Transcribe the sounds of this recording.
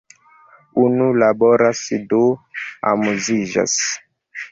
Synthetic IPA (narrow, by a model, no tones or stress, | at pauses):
unulabɔɾasidoa̰muziʒa̰s